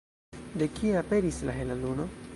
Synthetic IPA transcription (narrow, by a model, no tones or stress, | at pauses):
de̞kʰieape̞ɾisla̰ɦelaluno̞